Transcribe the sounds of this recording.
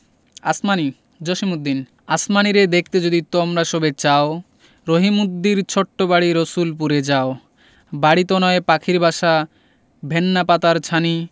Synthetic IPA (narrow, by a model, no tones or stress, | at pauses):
a̰smani | d͡ʑoʃimud̪ːin | asmaniɾed̪ek̚ʰt̪ed͡ʑod̪it̪omɾaʃobet͡ɕao | ɾoɦimud̪ːiɾt͡ɕʰoʈːobaɽiɾosulp̬uɾed͡ʑao | baɽit̪onɔepakʰiɾbʱaʃa | bʱenːapat̪aɾt͡ɕʰani